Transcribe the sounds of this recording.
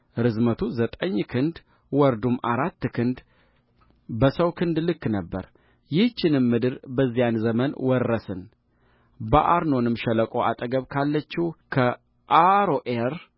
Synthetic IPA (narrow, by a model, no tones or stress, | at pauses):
ɾɨzmət̪ʰuzət̪ʼəɲːkʰɨnd̪ | wɔɾd̪umaɾat̪ːkʰɨnd̪ | bəsəwkʰɨnd̪lɨkːnəbːə̰ɾ | jɪht͡ʃːɪnɨmːɨd̪ɨɾbəzːijanzəmənwɔrːəsɨn | bə̰ʔaɾno̞nɨmʃɛləkʼo̞ʔat̪ʼəɡəβkʰalːət͡ʃːikʰə | ʔaɾoʔeɾ